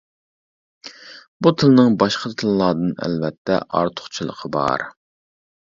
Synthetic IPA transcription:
but̪ʰɨlˠnɨŋbɑʃqət̪ʰɨlˠlːˠɑːd̪ɨnɛ̰lvɛt̪ʰːɛ̰ʔɑ̰ɾt̪ʰʊ̥χt͡ʃʰilˠə̰qʰəbɑ̰ɾ

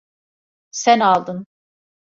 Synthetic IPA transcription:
sænalˠd̪ɯn

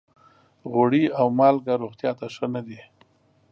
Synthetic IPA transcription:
ɣoɽiawmɑlɡaɾoɣt̪jɑt̪aʂənad̪i

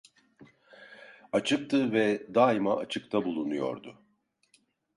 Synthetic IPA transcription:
at͡ʃʰɯk̚t̪ʰɯvɛd̪aːimaʔat͡ʃʰɯk̚t̪ʰabulˠunujo̞̰ɾd̪ʊ

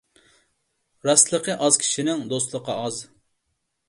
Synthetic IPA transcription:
ɾɑslˠəqʰəʔɑz̥kʲʰi̥ʃinɪŋd̪ost̪lˠəqɑɑz

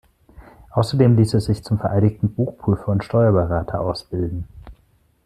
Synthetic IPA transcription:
ʔaʊsɐdeːmliːsɛsz̥ɪçt͡sʊmfɛɐʔaɪɾɪktn̩buːxpʁ̥yːfɐʊntʃtɔʏɐbəʁaːtʰɐʔaʊsb̥ɪldn̩

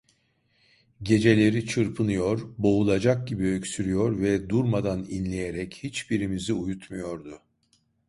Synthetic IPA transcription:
ɟe̞d͡ʒe̞lʲe̞ɾit͡ʃʰɯɾpʰɯnɯjo̞ɾbo̞ulˠad͡ʒak̚ɟibiøcsyɾyjo̞ɾvɛd̪uɾmad̪aninlʲe̞jeɾɛchit͡ʃbiɾimiziujut̪mujo̞ɾd̪ʊ

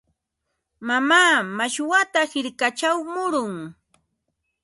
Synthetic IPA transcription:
mamaːmaʃwat̪ahɪɾkat͡ʃawmʊɾʊŋ

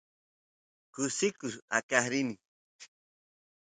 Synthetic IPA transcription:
kʊsikʊsa̰kahɾini

